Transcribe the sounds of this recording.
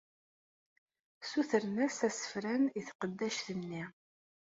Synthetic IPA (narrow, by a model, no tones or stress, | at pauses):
suθəɾnæsæsə̥fɾæniθqəd̪ːæʃθənːi